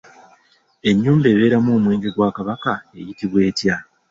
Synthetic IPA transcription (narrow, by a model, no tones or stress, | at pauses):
e̞ɲːuːmbe̞ːβe̞ːɾamoːmwe̞ːŋɡe̞ɡwaːkaβakae̞̰jitiβwe̞ːtja